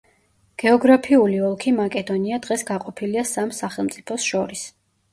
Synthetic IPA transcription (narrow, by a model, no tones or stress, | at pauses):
ɡ̥ɛɔɡɾapʰiuliɔlˠkʰimakʼɛd̪ɔniad̪ʁɛsɡaqʼɔpʰiliasamsaχɛlˠmt̪sʼipʰɔsʃɔɾis